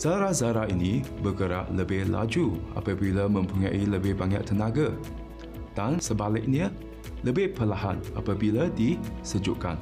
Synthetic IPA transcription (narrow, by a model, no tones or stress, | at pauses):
z̥aɾazaɾainĩbəɡəɾa̰ʔləbɪhla̰d͡ʒua̰pabilamə̃mpuɲaʔiləbɪhbaɲa̰ʔt̪ːənãɡa | d̥ansəbalɪk̚ni | ləbɪhpəlaɦanʔa̰pabiladisəd͡ʒuʔkan